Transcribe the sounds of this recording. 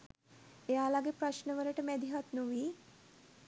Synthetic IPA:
ejalaɡepɾaʃnəʋəɾəʈəmɛd̪iɦat̪nuʋiː

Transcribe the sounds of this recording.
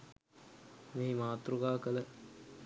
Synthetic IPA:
meɦimaːt̪ɾuɡaːkələ

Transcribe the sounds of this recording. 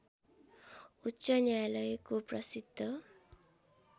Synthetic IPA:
utːsʌnjalʌjkoprʌsid̪ʱːʌ

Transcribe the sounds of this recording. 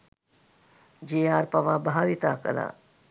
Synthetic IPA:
d͡ʒeːaːɾpaʋaːbʱaaːʋit̪aːkə̰la̰ː

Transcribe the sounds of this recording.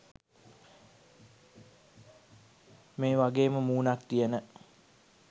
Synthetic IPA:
meːʋaɡeːməmuːnakt̪ijənə

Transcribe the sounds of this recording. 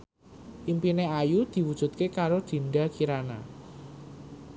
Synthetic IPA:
ʔimpineajud̪̥i̤wud̥ʒ̥ṳt̪̚kekaɾod̪̥i̤nɖakiɾana̰

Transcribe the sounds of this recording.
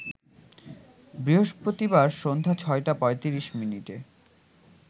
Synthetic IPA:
bɾiɦoʃpɾot̪ibaɾʃond̪ʱat͡ɕʰɔeʈapɔet̪iɾiʃminiʈe

